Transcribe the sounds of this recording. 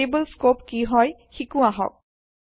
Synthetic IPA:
ebəlskop̚kiɦɔjxikʊ̃aɦɔ̰k̚

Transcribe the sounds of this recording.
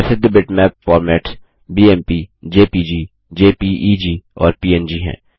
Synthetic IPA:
sɪd̪bɪʈmɛːpfɔːɾmɛːʈ | biːɛːmpiːd͡ʒeːpiːd͡ʒiː | d͡ʒeːpiːʔiːd͡ʒiːɔ̰ːɾpiːɛːnd͡ʒiːɦɛ̰̃ː

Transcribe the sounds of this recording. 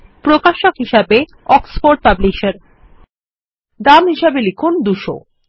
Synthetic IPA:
pɾokaʃokɦiʃabe | ɔksfoɾʈ̚pabliʃeɾ | d̪amɦiʃabelekʰund̪uʃo̰

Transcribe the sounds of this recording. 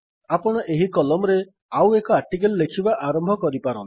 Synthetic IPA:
apɔɽ̃ɔʔeɦikɔlɔmɔɾe | awekɔaɾʈikelɔːekʰibaʔaɾɔmbʱɔkɔɾipaɾɔn

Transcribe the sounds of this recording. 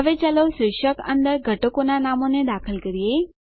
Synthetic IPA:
ɦəʋet͡ʃaloʃɾɪʃəkə̰nd̪əɾɡʱəʈokonanamoned̪akʰəlkəɾije

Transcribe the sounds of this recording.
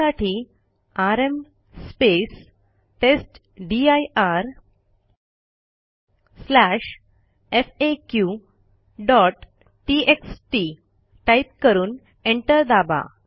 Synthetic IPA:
aʈʰi | aɾem | spes | ʈesʈ | ɖiajʔaɾ | slæɕ | efekju | ɖɔʈː | iʔeksʈi | ʈajp̚kəɾuːn | eɳʈəɾd̪aba̰

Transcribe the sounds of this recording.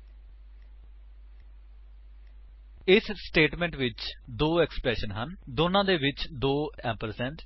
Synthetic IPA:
ɪsːʈeːʈmɛ̃ːɳʈʋɪt͡ʃd̪oːɛkspɾɛːʃənɦənd̪oːnãːd̪eːʋɪt͡ʃd̪oːɛːpəɾsɛ̃ːɳʈ

